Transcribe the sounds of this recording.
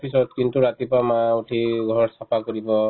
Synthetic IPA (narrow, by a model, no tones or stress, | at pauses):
pʰisɔd̪̚kint̪uɾat̪ipamauʈʰiɡʱɔɹsapʰakɔɾibɔ